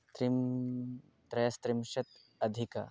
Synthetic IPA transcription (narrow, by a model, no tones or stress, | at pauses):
t̪ɾim | t̪ɾɐjɐst̪ɾimʃɐt̪ | ɐd̪ʱikɐ̰